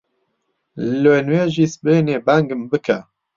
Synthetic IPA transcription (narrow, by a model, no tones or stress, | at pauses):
lenweːʒiːsbeːneːbæŋɡɨmbɨkʰɛ